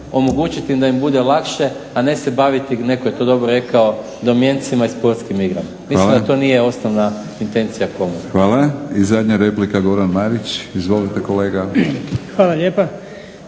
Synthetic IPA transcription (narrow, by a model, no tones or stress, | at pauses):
o̞mo̞ɡut͡ʃit̪imd̪aimbud̪elakʃe̞ | ane̞se̞baʋit̪ine̞koje̞t̪o̞d̪o̞bɾoɾe̞kao | d̪o̞mje̞nt̪simaispo̞ɾt̪skimiɡɾa̰m | iilmd̪at̪o̞nije̞o̞snoʋna | int̪e̞nt̪sijako̞muxʋaːlaizad̪ʲɲaɾeplikaɡo̞ɾanmaɾit͡ɕizʋo̞lit̪ekoleːɡaxʋaːlaʎeːpa